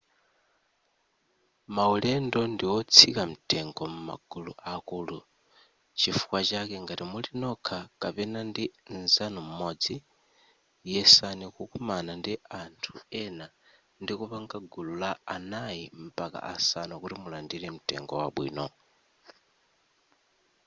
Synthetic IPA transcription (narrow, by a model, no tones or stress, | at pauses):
maulɛndɔndiwɔt͡sʰikam̩tɛŋɡɔmuma̰ɡ̥uluʔakuːlu | t͡ʃifu̥kwat͡ʃakɛŋɡatimulinɔkʰakapɛnandinzanum̩mɔd͡zi | jɛsanikukumanandiantʰuɛna | ndikupaŋɡaɡululaːnajim̩paka̰ʔasanɔkutimulandiɾɛm̩tɛ̰ŋɡɔwaɓwḭːnɔ